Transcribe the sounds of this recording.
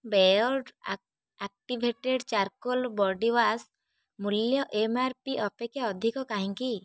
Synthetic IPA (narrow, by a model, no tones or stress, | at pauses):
bɛjɔɖ | ak̚ʈibʱeʈeɖt͡ʃaɾkɔlbɔɖiwas | muljɔʔemaɾpiʔɔpekjaɔd̪ʱikɔkaɦĩŋki